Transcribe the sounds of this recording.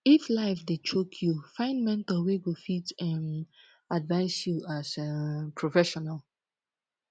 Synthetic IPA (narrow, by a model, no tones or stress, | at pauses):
iflaɪfdet͡ʃokʰjufãɪ̃nmɛ̃ntɔweɡofitɛ̃n | advaɪsjuasɛpʰɹofɛʃɔnal